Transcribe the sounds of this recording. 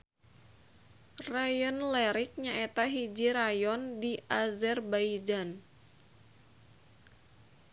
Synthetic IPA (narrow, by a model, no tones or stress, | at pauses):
rajɔnlɛɾɪk̚ɲaʔɛt̪aɦid͡ʒiɾajɔndiʔazɛrbaid͡ʒan